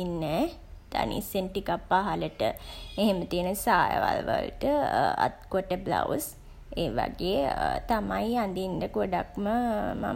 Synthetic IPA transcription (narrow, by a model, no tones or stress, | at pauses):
inːɛː | d̪̥a̰nḭsenʈikapːaːɦaləʈəeɦemət̪iənəsaːjə̰ʋa̰lʋə̰lʈəa̰t̪̚kəʈəbla̰us | eːʋa̰ɡeːt̪amajiand̪inɖəɡoɖakməma̰